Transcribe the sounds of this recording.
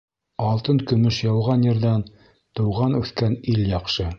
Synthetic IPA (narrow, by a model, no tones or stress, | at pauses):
ɑlˠt̪ɤnkɵ̆mɵʃjɑwʁɑnjɤ̆ɾd̪ɑn | t̪ɤ̆wʁɑnʉθkæniljɑqʃɤ